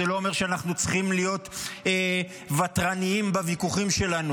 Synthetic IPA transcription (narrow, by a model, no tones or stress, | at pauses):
elo̞ːme̞ʁʃeanaχnut͡sχimlijo̞t̪e | vatʁaniimbavikuχimʃe̞lanu